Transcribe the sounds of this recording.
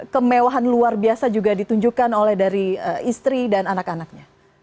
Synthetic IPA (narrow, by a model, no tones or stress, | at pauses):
kəmewaɦanluarbiasad͡ʒuɡadit̪uɲd͡ʒukanolɛhdaɾiəist̪ɾidananakanak̚ɲa